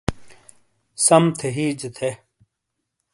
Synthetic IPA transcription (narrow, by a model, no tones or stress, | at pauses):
sɐmt̪ʰeɦiːd͡ʑet̪ʰe